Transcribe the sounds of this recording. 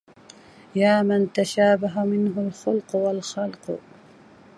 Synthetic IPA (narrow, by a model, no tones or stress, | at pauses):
jaːmant̪aʃaːbaɦamɪnɦʊlxʊlqwalxɑlq